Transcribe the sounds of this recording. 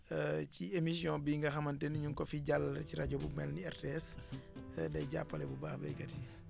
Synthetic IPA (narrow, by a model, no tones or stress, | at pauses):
ciemis̬jɔ̃biŋɡɐxɐmɐntɛniɲuŋkɔfiɟalːɐciɾaɟɔbumɛlniɛrteɛs | dɛjɟa̰pːɐlɛbubaːxbɐ̰jkɐti